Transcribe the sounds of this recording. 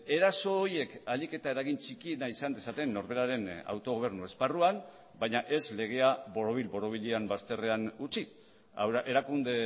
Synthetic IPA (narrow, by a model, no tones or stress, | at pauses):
e̞ɾaso̞ːje̞kalike̞t̪ae̞ɾaɣ̞int͡ʃikienaisand̪e̞sat̪e̞nːo̞ɾβe̞ɾaɾe̞na̰wt̪o̞ɣ̞o̞β̞e̞ɾnue̞sparuam | bajɲaʔe̞zle̞ɣ̞e̞aβo̞ɾoβ̞ilbo̞ɾo̞β̞iʎeambast̪e̞re̞anut͡si | ʔe̞ɾakund̪e̞